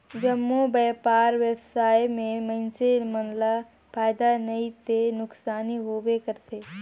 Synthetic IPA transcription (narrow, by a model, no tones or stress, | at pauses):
d͡ʒɐmːubɛːpaːɾwjəbsaːjmẽmə̃nsemɐnla | pʰaːjd̪anɐit̪enʊksaːniɦoːwekəɾt̪ʰeː